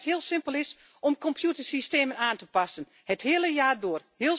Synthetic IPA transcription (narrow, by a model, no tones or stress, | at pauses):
thiəlˠsɪmpəlɪs | ʔɔmkɔmpʰjutərsisteːmənaːntəpasən | həthɪələjaːdoːrhɪəl